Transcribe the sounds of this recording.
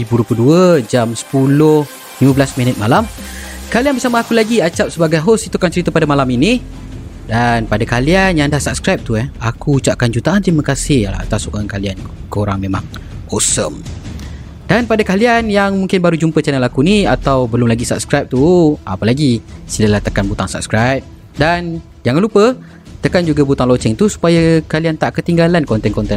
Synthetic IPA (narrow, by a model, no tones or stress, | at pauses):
ibuɾupəduəd͡ʒamsə̥pulʊh | limãbəlasminət̪̚malamkalianbərsamaːkulaɡiat͡ʃap̚səbaɡajɦosit̪ukant͡ʃəɾit̪apadamalamini | danpadakalianjaŋndahsap̚skɾajp̚t̪uɛhakuːt͡ʃaʔ̚kand͡ʒut̪aant̪ɾimakasɪha̰t̪asukaankaliankəoɾaŋmema̰ŋ | osəm | danpadakalianjaŋmuŋkɪnbaɾud͡ʒumpət͡ʃanalakuniat̪awbəlʊmlaɡisap̚skɾajp̚t̪ua̰pəlaɡisiləlaht̪əkanbut̪aŋsa̰p̚skɾajp̚ | dan | d͡ʒaŋalupə | t̪əkand͡ʒuɡabut̪aŋlɔt͡ʃɛŋt̪usu̥pajakaliant̪aʔkət̪iŋɡalankɔnt̪ɛnkɔnt̪ɛ